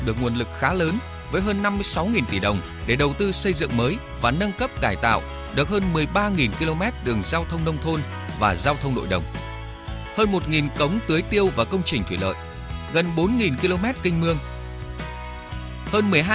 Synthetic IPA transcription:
ɗɨ˨˩ək̚ŋu˨˩ənlɨ˨˩k̚xaː˨˦ləː˨˦n | vəː˨˦jɦəː˧nːa˧mːɨ˧əjsa˨˦wŋi˨˩nt̪i˧˨˩ɗə˨˩wŋ͡m | ɗe˧˩ɗə˨˩wt̪ɨ˧sə˧jzɨ̰˧˨ŋməː˨˦j | vaː˨˩nə˧nkə˦˥p̚kaː˧˩jt̪a̰ː˧˨w | ɗɨ˨˩ək̚həː˧nmɨ˨˩əjɓaː˧ŋi˨˩nki˧lo˧mɛ˦˥t̚ɗɨ˨˩əŋzaː˧wt̪ʰə˧wŋ͡mnə˧wŋ͡mt̪ʰo˧n | vaː˨˩zaː˧wt̪ʰə˧wŋ͡mɗo̰˧˨jɗə˨˩wŋ͡m | həː˧nmo˨˩t̚ŋi˨˩nkə˨˦wŋ͡mt̪ɨ˨˦jt̪i˧əwvaː˨˩kə˧wŋ͡mt͡ɕï˨˩ŋt̪ʰwi˧˩lə̰ː˧˨j | ɣə˨˩nɓo˨˦nŋi˨˩nki˧lo˧mɛ˦˥t̚kï˧ŋ̟mɨ˧əŋ | həː˧nmɨ˨˩əjɦ

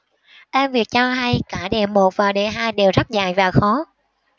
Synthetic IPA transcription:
ʔɛ˧mvi˨˩ək̚t͡ɕɔ˧ɦa˧jkaː˧˩ɗe˨˩mːo˨˩t̚vaː˨˩ɗe˧˨˩ɦaː˧jɗe˨˩wzə˦˥t̚za̰ː˧˨jvaː˨˩xɔ˨˦

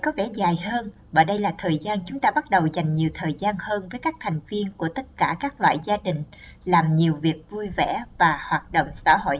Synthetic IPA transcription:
kɔ˨˦vɛ̰˧˩zaː˨˩jhəː˧n | ɓə̰ː˧˩jɗə˧jlaː˨˩t̪ʰəː˨˩jzaː˧nt͡ɕʊ˨˦ŋ͡mt̪aː˧ɓa˦˥t̚ɗə˨˩wza˨˩jŋ̟ɲi˨˩əwt̪ʰəː˨˩jzaː˧nhəː˧nvəː˨˦jkaː˦˥k̚t̪ʰɛ˨˩jŋ̟vi˧ənku˧˩ət̪ə˦˥t̚kaː˧˩kaː˦˥k̚lwa̰ː˧˨jzaː˧ɗï˨˩ŋ̟ | laː˨˩mɲi˨˩əwvi˨˩ək̚vu˧jvɛ˧˩vaː˨˩hwaː˨˩t̚ɗo̰˧˨wŋ͡msa̰ː˧˩ɦo̰˧˨j

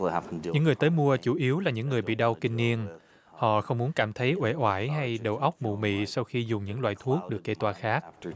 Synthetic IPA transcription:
hanɲɨ̰˧˥ŋːɨ˨˩əjt̪əː˨˦jmu˧ət͡ɕu˧˩˦ʔi˨˦əwlaː˨˩ɲɨ̰˧˥ŋːɨ˨˩əjɓḭ˧˨ɗa˧wkï˧ŋ̟ni˧ən | hɔ̰˧˨xə˧wŋ͡mmu˨˦ənkaː˧˩mt̪ʰə˨˦jʔwe˧˩ʔwaː˧˩jɦa˧jɗə˨˩wʔə˦˥wk͡p̚mṵ˧˨mḭ˧˨sa˧wxi˧zʊ˨˩ŋ͡mɲɨ̰˧˥ŋlwa̰ː˧˨jt̪ʰu˦˥ək̚ɗɨ˨˩əkːe˧˥t̪waː˧˩xaː˦˥k̚

